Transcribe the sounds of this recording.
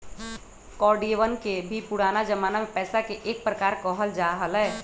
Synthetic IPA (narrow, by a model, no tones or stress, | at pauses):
kɔɾɖieʋənkebʱipuɽanad͡ʒəmanamepɛːsakeʔek̚pɾəkaːɾkəɦəld͡ʒaɦəlɛː